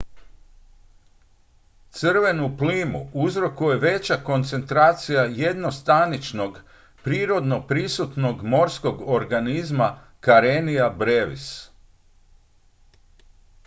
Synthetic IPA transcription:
t̪sɨrʋe̞nupliːmuuzɾo̞kuje̞ʋe̞t͡ɕako̞nt̪se̞nt̪ɾaːt̪sijajed̪no̞st̪anit͡ʃno̞ɡ | pɾiːɾo̞d̪no̞pɾisut̪no̞ɡmo̞ɾsko̞ɡo̞ɾɡanizma | kaɾenijabɾeʋḭs

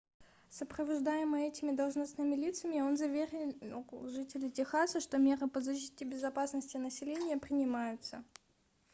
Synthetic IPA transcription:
səpɾəvɐʐd̪ajɪmɨɛtʲɪmʲɪd̪əlˠʐnɐsnɨmʲɪlʲit̪səmʲɪo̞nzɐvʲeɾʲɪ | ʐɨtʲɪlʲɪtʲɪxasəʂt̪o̞mʲe̞ɾɨpəzɐɕi̥tʲɪbʲɪzɐpasnəsʲtʲɪnəsʲɪlʲenʲɪjəpɾʲɪnʲɪmajʊt̪sə

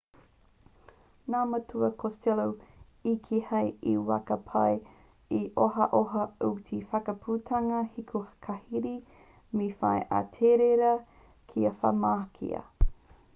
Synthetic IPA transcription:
naːmɐtuɐkʰostelow | ikʰihɐjḭwa̰kɐpʰɐj | iʔoɦɐʔoɦɐutʰifɐkɐpʰuːtʰɐŋɐhikʰuhɐ̥kʰɐhiɾi | mifɐ̰jʔa̰tʰeɾeɾɐ | kʰiɐfɐ̰maːkʰḭɐ̰

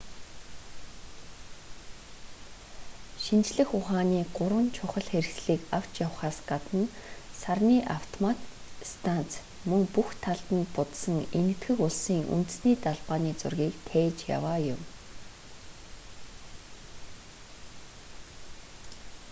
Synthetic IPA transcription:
ʃint͡ɕɮɘ̆xʊχaːniːɢʊɾwə̆nt͡ɕʰʊχə̆ɮxeɾ̆xsɮiːkaw̥t͡ɕjawχaːsɢat̪ə̆nsarniːʔaw̥t̪ʰɔmat̪ | st̪ʰant͡s | mɵŋpuxt̪ʰaɮt̪ə̆npʊt̪sə̆ŋenɘ̆t̪ɡɘ̆kʊɮsiːŋʔṵnt̪̆sniːt̪aɮpaːniːt͡sʊ̰rɣʲiːkt̪ʰeːt͡ɕja̰waːjʊm

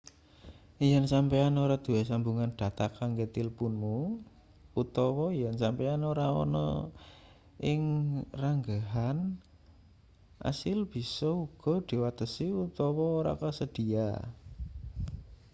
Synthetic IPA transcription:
ijansampɛanoɾad̪̥uwɛsambuŋand̪̥a̤t̪akːaŋɡet̪ilpunmu | ut̪ɔwɔijansampɛanoɾaɔ̰nɔ̰ | ʔɪŋraŋɡaɦan | ʔa̰sɪlb̥i̤sɔuɡ̥ɔ̤d̪̥i̤wat̪əsiut̪ɔwɔːɾa̰kəsəd̪̥i̤a̰

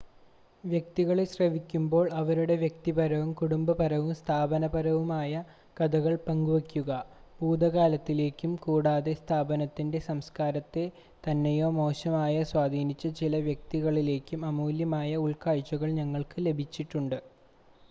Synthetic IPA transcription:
ʋjɐk̚t̪iɣɐɭeɕrɐʋikʲːumbo̞ːɭɐʋɐɾuɽe̞ʋjek̚t̪ipɐɾɐʋumkuɽumbɐpɐɾɐʋumst̪ʰaːbɐnɐbɐɾɐʋumaːjɐ | kɐd̪ɐɣɐɭpɐŋɡuʋɐkʲːuɣɐbuːd̪ɐɣaːlɐt̪ːile̞ːkʲːumkuːɽaːðe̞st̪ʰaːbɐnɐt̪ːinde̞sɐmskaːɾɐt̪ːe̞ | t̪ɐnːejo̞ːmo̞ːɕɐmaːjɐswaːd̪ʱiːnit͡ɕːɐt͡ɕilɐʋjɐk̚t̪iɣɐɭile̞ːkʲːumɐmuːljɐmaːjɐuɭkaːɻt͡ɕːuɣɐɭɲɐŋːɐɭkɨle̞bʱit͡ɕːiʈːuɳɖɨ

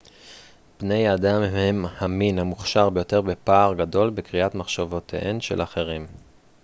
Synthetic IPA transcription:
b̥ne̞jaːdamemhaminamuχʃaʁbe̞jo̞te̞ʁbe̞paːʁɡado̞lbekʁiʔatmaχʃavotʰḛʔenʃḛlaχe̞ʁim

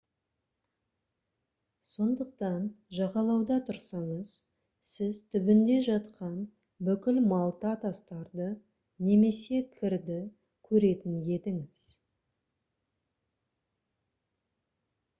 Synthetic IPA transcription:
so̞nd̪əq̚t̪ɑnʒɑʁɑlˠɑwd̪ɑt̪ʰʊɾsɑɴəz̥ | sɪzt̪ʰʏbɪnd̪e̞ʒɑt̪qɑn | bʏkʲɪlmɑlˠt̪ɑt̪ʰɑst̪ɑɾd̪ə | ne̞me̞se̞kʲʰɪɾd̪ɪ | kʲʰɵɾe̞t̪ɪnje̞t̪ɪŋɪz̥

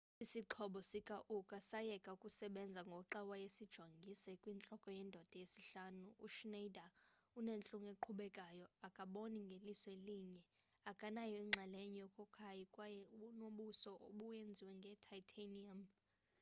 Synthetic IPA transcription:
isiǁʰɔɓɔsikʼaʔukʼasajɛkʼaukʼusɛɓɛnd͡zʱaŋɡʱɔǁawajesid̥ʒ̥ʱoŋɡʱisɛkʼwint͡ɬʼɔkʼɔjɛndʱɔd̥ʱɔjesiɬaːnuuʃnejdʱaunent͡ɬʼuŋeǃʰuɓɛkʼajɔakʼaɓoniŋɡʱelisweliːɲɛ | akʼanajɔiŋ͡ǁʱaleɲijɔkʼɔkʰajikʼwajɛuɓunoɓusɔʔoɓujend͡zʱiwɛŋɡʱɛtʰajtʰaniam

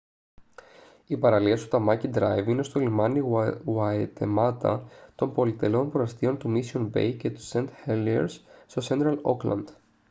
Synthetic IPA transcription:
ipɐɾɐliɐst̪u̥t̪ɐmɐcid̪ɾɐjvine̞st̪olimɐniɣwɐet̪emɐt̪ɐ̰t̪o̞mpo̞lit̪e̞lo̞npɾoɐst̪io̞nt̪umisio̞nbe̞̰jce̞t̪u̥se̞nt̪heliḛɾsst̪o̞se̞nt̪ɾɐlo̞klɐ̰nd̪̥

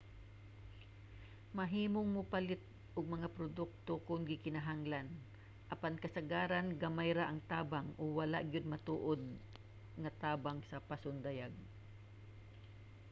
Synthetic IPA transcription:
mɐɦiːmoŋmʊpalɪt̪̚ | ʔʊɡ̚mɐŋapɾod̪ʊk̚t̪okʊnɡɪkɪnaɦaŋlan | ʔɐpankɐsɐɡaːɾanɡamajɾaʔɐŋt̪aːbaŋʊwɐla̰ʔɡjʊd̪̚mɐt̪uːʔod̪̚ | ŋɐt̪aːbaŋsɐpasʊnd̪ajaɡ̚

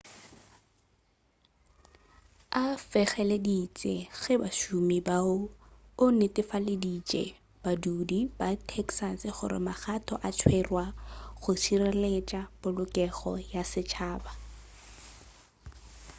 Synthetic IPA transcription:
afɛɣɛledit͡ʃʼeɣɛbaʃumibaʊʊnɪtɪfaledit͡ʃʼɛ̰ | b̥adudibatʰɛksasɪχʊ̰ɾɪ̰maχatʰɔʔat͡ʃʰwɛrwaχʊt͡ʃʰirɛlet͡ʃʼab̥ʊlʊkʼɛɣɔ̰jasɪt͡ʃʰaːba

